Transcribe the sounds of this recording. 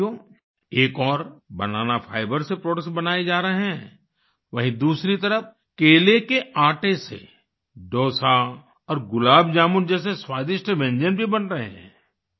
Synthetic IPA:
o | eːkɔːɾbɐ̰naːnapʰaːɪbəɾsepɾoːʈəksbɐnaːed͡ʒaːɾəɦɦɛ̃ː | ʋɐɦĩd̪uːsɾit̪ɐɾəf̚ | keːlekeaːʈesḛ | ɖɔːsa | ɔːɾɡʊlaːbd͡ʒaːmʊnd͡ʒɛːs̬eswaːd̪ɪʃʈʋɛ̃ɲd͡ʒənbʱibɐnɾɐɦeɦɛ̰̃ː

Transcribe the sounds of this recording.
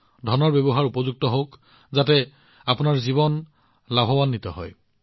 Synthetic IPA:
dʱɔnɔɹbɛbɔɦaɹupɔzuɡ̚tɔɦok | zatɛ | apʊnaɹziβɔn | labʱɔwanːitɔ̰ɦɔ̰j

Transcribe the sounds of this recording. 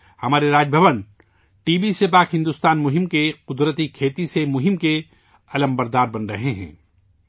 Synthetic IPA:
hɐmaːɾeɾaːd͡ʒbʱɐʋən | ʈiːbisepaːkɦɪ̃nd̪ʊst̪aːnmʊɦɪmkeqʊd̪ɾət̪ikʰeːt̪isemʊɦɪmke | ɐləmbɐɾd̪aːɾbɐnɾɐɦeɦɛ̰̃ː

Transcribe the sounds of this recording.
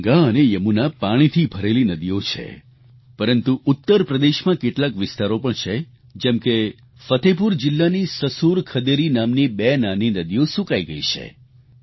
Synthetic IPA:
ɡaənejəmunapaɽ̃it̪ʰibʱəɾelinəd̪ijot͡ʃʰḛ | pəɾənt̪uʔʊt̪ːəɾpɾəd̪eʃmãkeʈlakʋɪst̪aɾopəɳt͡ʃʰe | d͡ʒɛmke | fət̪ʰep̬uɾd͡ʒɪlːanisəsuɾkʰəd̪eɾinamnibenaninəd̪ijosukaiɡəit͡ʃʰḛ

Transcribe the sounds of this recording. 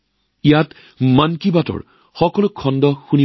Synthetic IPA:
ijat | mankibatɔ̰ɹ | xɔkɔlʊkʰɔndɔxuni

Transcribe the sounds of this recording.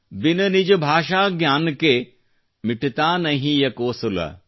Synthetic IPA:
ʋɪnɐnid͡ʒbʱaːʃaːɡjaːnke | mɪʈt̪aːnɐɦĩjɐkoːsulɐ̰

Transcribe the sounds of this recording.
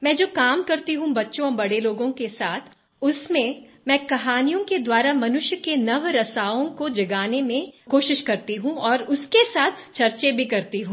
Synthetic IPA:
mɛ̃ːd͡ʒoːkaːmkɐɾt̪iɦũbɐtːʃõɔːɾbɐɽeloːɡõkesaːt̪ʰ | ʊsmẽmɛ̃ːkɐɦaːnijõked̪waːɾamɐnʊʃjəkenɐʋɾɐsaːõkod͡ʒɐɡaːnemẽkoːʃɪʃkɐɾt̪iɦũɔːɾʊskesaːt̪ʰt͡ʃɐɾt͡ʃebʱikɐɾt̪iɦũː

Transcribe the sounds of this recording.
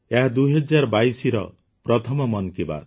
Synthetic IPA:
eɦad̪uɦɔd͡ʒaɾɔbajsiɾɔ̰ | pɾɔt̪ʰɔmɔmɔnkiba̰

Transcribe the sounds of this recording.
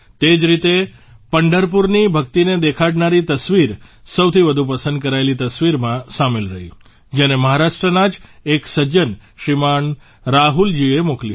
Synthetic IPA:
t̪ed͡ʒɾit̪e | pəɳɖəɾpuɾnibʱəkt̪ined̪ekʰaɖnaɾit̪əsʋiɾsəwt̪ʰiʋəd̪ʱũpəsə̃nd̪kəɾaelit̪əsʋiɾmãsamelɾəɦḭ | d͡ʒeneməɦaɾaʃʈɾənad͡ʒeksəd͡ʒənʃimaɳ | ɾaɦuld͡ʒiemoklji

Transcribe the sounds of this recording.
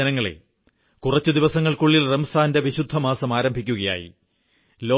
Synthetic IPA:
ɐnɐŋːɐɭḛ | kurɐt͡ɕːud̪iʋɐsɐŋːɐɭkuɭːilrɐmst̪ʰaːnde̞ʋiɕud̪ʱːɐmaːsɐmaːɾɐmbʱikʲːuɣɐja̰ːjḭ | lo̞ː

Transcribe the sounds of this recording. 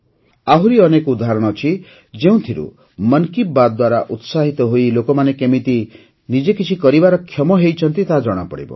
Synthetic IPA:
aɦuɾiɔnekud̪aɦɾɔɽ̃ɔt͡ʃʰi | d͡ʒeũt̪ʰiɾṵ | mʌnkibad̪d̪waɾaʔut̪saɦit̪ɔɦoilokɔmanekemit̪i | nid͡ʒekit͡ʃʰikɔɾibaɾɔkʰjɔmɔɦejt͡ʃʰɔnt̪it̪aɦd͡ʒɔɽ̃apɔ̰ɽḭbɔ̰

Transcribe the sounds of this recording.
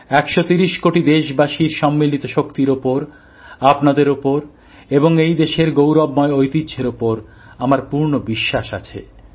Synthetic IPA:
ɛkʃot̪iɾiʃkoʈid̪eʃbaʃiɾʃɔmːilit̪oʃokt̪iɾopoɾ | apnad̪eɾopoɾ | eboŋejd̪eʃeɾɡowɾɔbmɔeojt̪idd͡ʑʱeɾopoɾ | amaɾpuɾnobiʃːaʃa̰t͡ɕʰḛ

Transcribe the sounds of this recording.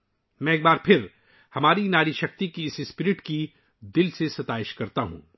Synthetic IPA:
mɛ̃eːk̚baːɾpʰɪɾ | hɐmaːɾinaːɾiʃɐk̚t̪ikiɪsɪspɪɾɪʈki | d̪ɪlsesɐt̪aːɪʃkɐɾt̪aɦṵ̃ː

